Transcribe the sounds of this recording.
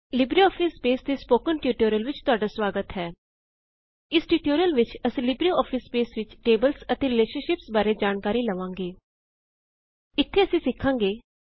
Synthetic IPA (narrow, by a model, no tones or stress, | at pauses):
lɪbɾiːɔːpʰɪspeːsd̪eːspoːkənʈuːʈoːɾijəlʋɪt͡ʃt̪ʊaːɖaːswaːɡət̪ɦɛː | ɪsʈjuːʈoːɾijəlʋɪt͡ʃəsĩlɪbɾiɔːpʰɪsːpeːsʋɪt͡ʃʈeːbəlsət̪eːɾɪleːʃənʃɪpsbaːɾeːd͡ʒaːnkaːɾiːləʋãːŋɡeː | ɪt̪ʰːeːəsĩːsɪkʰːãːŋɡeː